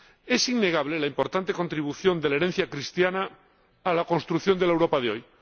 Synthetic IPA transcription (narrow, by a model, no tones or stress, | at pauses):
e̞sinːe̞ɣ̞aβle̞laimpo̞ɾt̪ant̪e̞ko̞nt̪ɾiβ̞uθjo̞nd̪elaeɾen̟θjakɾist̪janaː | lako̞nst̪ɾuθjo̞nd̪elaewɾo̞paðeoj